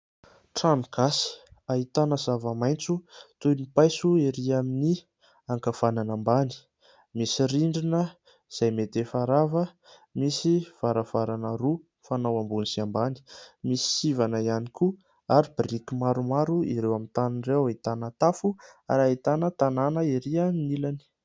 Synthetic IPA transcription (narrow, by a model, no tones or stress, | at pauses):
ʈ͡ʂamɡ̥asaɦit̪anəzavəmajnt͡sut̪ujmipajsuiɾiamini | aŋkafananambani̥ | misiɾiɳɖ͡ʐinə | z̥ajmet̪efaɾavə | misiv̥aɾav̥aɾanəɾu | fanawambunisiambani̥misi̥sivanaianiku | aɾibrikimaɾumaɾuḭɾewamit̪aninrewait̪anat̪afuaɾait̪anət̪ananəiɾiəminilani̥